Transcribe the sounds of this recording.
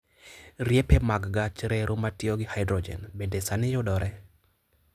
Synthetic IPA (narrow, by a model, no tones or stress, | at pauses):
ɾjepɛmaɡɡat͡ʃɾɛɾʔʊmatjioɡɪhajdɾɔd͡ʒɛ̰nbedɛsanɪjʊdɔɾʔɛ